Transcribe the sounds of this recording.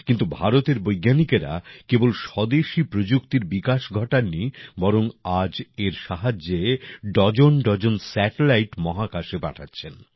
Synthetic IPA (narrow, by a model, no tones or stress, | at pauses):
kint̪ubʱaɾot̪eɾbojɡːanikeɾa̰kebolʃɔd̪eʃipɾod͡ʑukt̪iɾbikaʃɡʱɔʈaɾnibɔɾoŋad͡ʑeɾʃaɦad͡ʑːeɖɔd͡ʑonɖɔd͡ʑonsɛʈelajʈmɔɦakaʃeba̰ʈʰatːɕʰen